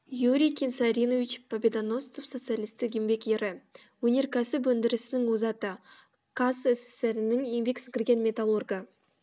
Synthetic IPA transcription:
juɾʲijkʲʰensaɾʲinovit͡ʃpʰabʲed̪ano̞st̪ofso̞t̪sɨjalʲijst̪ɪɡʲembe̞kjeɾɪ | wɵne̞ɾkʲʰæsɪp̬wɵnd̪ɪɾɪsɪnɪŋwozɑt̪ə | kʰasɪsɪ̥st̪eɾɪnɪŋjembe̞ksɪ̥kʲɪɾɡʲe̞nmʲe̞t̪alˠurɡə

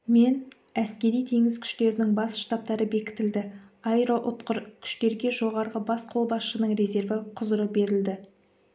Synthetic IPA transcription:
me̞n | æskʲe̞ɾijt̪ʰe̞ŋɪzkʲʰʏ̥ʃt̪e̞ɾɪnɪŋbɑsʃt̪ɑp̚t̪ɑɾəbe̞kʲɪ̥t̪ɪld̪ɪɑjɾoʔʊt̪qəɾkʲʰʏ̥ʃt̪e̞ɾɡʲe̞ʒo̞ʁɑɾʁəbɑsqʰo̞lˠbɑsʃənəɴɾe̞ze̞ɾvəqʰʊzəɾəp̚be̞ɾɪld̪ɪ

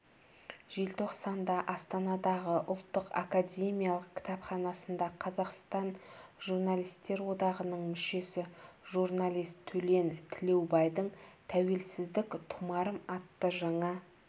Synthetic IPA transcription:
ʒ̥elt̪ʰo̞qsɑnd̪ɑʔɑst̪ɑnɑd̪ɑʁəʔʊlˠt̪ːəqa̰kadʲe̞mijalˠəq̚kʲʰɪ̥t̪ɑpχɑnɑsənd̪ɑqʰɑzɑqst̪ɑnʒurnalijst̪ːe̞ɾwo̞d̪ɑʁənəɴmʏʃe̞sɪʒuɾnalʲijst̪ʰːɵle̞nt̪ʰɪle̞wbɑjd̪əɴt̪ʰæwe̞lsɪzd̪ɪkt̪ʰʊmɑɾəmɑt̪ːəʒɑɴɑ

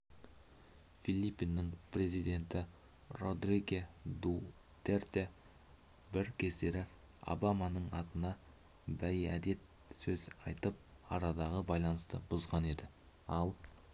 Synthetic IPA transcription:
filipːinːɪŋpʰre̞zijd̪e̞nt̪ɪ | ro̞d̪riɡʲed̪u | t̪ert̪e | bɪɾkʲʰe̞se̞ɾɪ | o̰bamɑnəɴɑt̪ənɑ | bæjæd̪e̞t̪ | sɵzɑjt̪əp̚ɑ̰ɾɑd̪ɑʁəbɑjlˠɑnəst̪ə̰bʊzʁɑne̞d̪ɪ | ɑlˠ

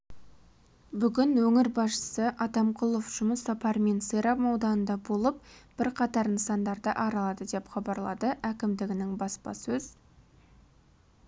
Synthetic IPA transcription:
bʏɡʲɪnwɵŋɪɾbɑsʃə̥səʔɑt̪ɑmqʰʊlˠofʒ̥ʊməsːɑpɑɾme̞nsəjɾɑpmɑwd̪ɑnənd̪ɑbo̞lˠəp̚b̥ɪɾqʰɑt̪ɑɾnəsɑnd̪ɑɾd̪əʔɑɾɑlˠɑd̪əd̪e̞pχɑbɑɾlˠɑ̰d̪əʔækʲɪmd̪ɪɡʲɪnɪŋbɑspɑ̰sɵz̥

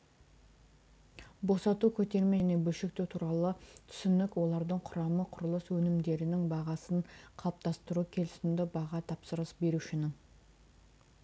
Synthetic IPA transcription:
bo̞sɑt̪ukʲʰɵt̪e̞ɾmene̞bɵlʃɪk̚t̪et̪ʰuɾɑlˠət̪ʰʏ̥sɪnɪkwo̞lˠɑɾd̪əɴqʰʊɾɑməqʰʊɾəlˠəswɵnɪmd̪e̞ɾɪnɪŋbɑʁɑsəɴqʰɑp̚t̪ɑst̪əɾukʲʰe̞lɪ̥sɪmd̪ɪbɑʁɑt̪ʰɑpsəɾəsbe̞ɾuʃɪnɪŋ

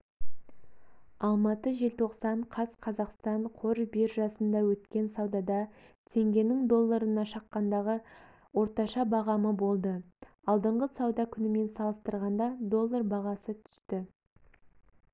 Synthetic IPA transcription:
ɑlˠmɑt̪əʒelt̪ʰo̞qsɑɴqʰɑsqʰɑzɑqst̪ɑɴqʰoɾbiɾʒɑsənd̪ɑwɵt̪kʲe̞nsɑwd̪ɑd̪ɑ | t̪ʰe̞ŋɡʲe̞nɪŋd̪o̞lˠːaɾənɑʃɑqːɑnd̪ɑʁə | wo̞ɾt̪ɑʃɑbɑʁɑməbo̞lˠd̪ə | ɑlˠd̪əɴʁəsɑwd̪ɑkʲʰʏnɪme̞nsɑlˠəst̪əɾʁɑnd̪ɑd̪o̞lˠːaɾbɑʁɑsət̪ʰʏ̥st̪ɪ

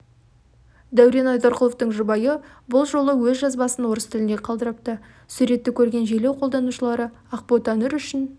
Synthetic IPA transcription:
d̪æwɾe̞nɑjd̪oɾqəlˠo̞ft̪əɴʒʊbɑjəbʊlˠʒo̞lˠəwɵzʒɑzbɑsənwo̞ɾəst̪ʰɪlɪne̞qʰɑlˠd̪əɾɑp̚t̪ə | sʉɾe̞t̪ːɪkʲʰɵɾɡʲe̞nʒe̞le̞wqʰold̪ɑnuʃəlˠɑɾə | ɑq̚pot̪ɑnɪɾʏʃɪn

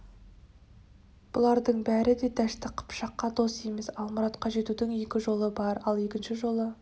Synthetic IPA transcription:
b̥ʊlˠɑɾd̪əɴbæɾɪd̪e̞d̪æʃt̪ɪqʰə̥pʃɑqːɑd̪o̞seme̞sɑlˠməɾɑt̪qɑʒe̞t̪ud̪ɪŋje̞kʲɪʒo̞lˠəbɑɾɑlˠe̞kʲɪnʃɪʒo̞lˠə

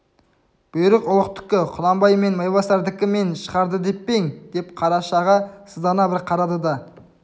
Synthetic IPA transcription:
b̥ʊjɪɾɪqʊlˠəqt̪ʰʏ̥kʲːɪqʰʊlˠɑmbɑjme̞nmɑjbɑsɑɾd̪ɪkʲɪme̞nʃə̥ʁɑɾd̪əd̪e̞pːeŋd̪̥e̞p̚qʰɑɾɑʃɑʁɑsəzd̪ɑnɑbɪɾqʰɑɾɑd̪əd̪ɑ

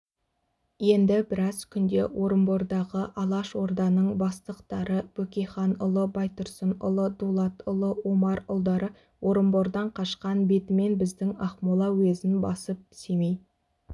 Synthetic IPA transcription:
je̞nd̪ɪbɪɾɑzkʲʰʏnd̪e̞̰wʔo̞ɾəmbo̞ɾd̪ɑʁəʔɑlˠɑʃwo̞ɾd̪ɑnəɴbɑst̪əqt̪ɑɾəb̥ɵkʲejχɑnʊlˠəbɑjt̪ʊɾsənʊ̰lˠəd̪ulˠɑt̪ʊlˠəwomɑɾʊlˠd̪ɑɾə | wʔo̞ɾəmbo̞ɾd̪ɑɴqʰɑʃqɑnbe̞t̪ɪme̞nbɪzd̪ɪŋɑχmolˠɑwezɪnbɑ̰səp̚semej̪

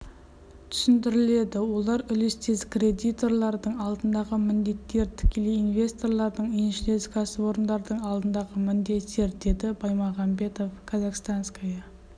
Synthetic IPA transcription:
t̪ʰʏ̥sɪnd̪ɪɾɪle̞d̪ɪwo̞lˠɑɾʏlɪst̪ezkrʲe̞d̪ijt̪o̞rlˠɑɾd̪əɴɑlˠd̪ənd̪ɑʁəmɪnd̪e̞t̪ːe̞ɾt̪ʰɪ̥kʲʰe̞lejinve̞st̪o̞rlˠɑɾd̪əɴenʃɪle̞zkʰɑsəwo̞ɾənd̪ɑɾd̪əɴɑlˠd̪ənd̪ɑʁəmɪnd̪e̞t̪ːe̞ɾd̪e̞d̪ɪbɑjmɑʁɑmbe̞t̪o̞fkʰazɑqst̪anskajɑ

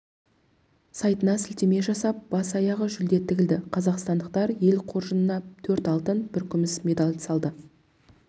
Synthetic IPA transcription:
sɑjt̪ənɑsɪlt̪e̞me̞ʒɑsɑp̚b̥ɑsɑjɑʁəʒʏld̪e̞t̪ʰːɪɡʲɪld̪ɪqʰɑzɑqst̪ɑnd̪əqt̪ɑɾje̞lqʰo̞ɾʒənənɑt̪ʰɵɾt̪ɑlˠt̪ənbɪɾkʲʰʏmɪsmʲe̞d̪ɑlʲsɑlˠd̪ə

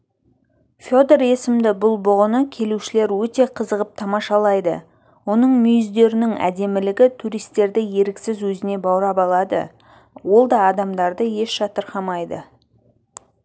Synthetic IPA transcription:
fʲo̞d̪eɾe̞sɪmd̪ɪbʊlˠbʊʁənəkʲʰe̞luʃɪle̞ɾwɵt̪e̞qʰəzəʁəp̚t̪ʰɑmɑʃɑlˠɑjd̪ə̰ | wo̞nəɴmʏjʏzd̪e̞ɾɪnɪŋæ̰d̪e̞mɪlɪɡʲɪt̪ʰuɾijst̪e̞ɾd̪ɪje̞ɾɪksɪzwɵzɪne̞bɑwɾɑpɑlˠɑd̪ə̰ | wo̞lˠd̪ɑːd̪ɑmd̪ɑɾd̪əje̞ʃʃɑt̪əɾqɑmɑjd̪ə

